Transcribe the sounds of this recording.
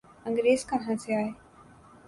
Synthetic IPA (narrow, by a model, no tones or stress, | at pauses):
ə̃ŋɡɾeːzkəɾɦãːseaːɦeː